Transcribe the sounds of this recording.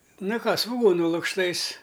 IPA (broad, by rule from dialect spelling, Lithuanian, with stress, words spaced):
ˈnɐ ˈkɑː sʋʊˈɡuːnʊ lˠʊkʃˈtɐɪs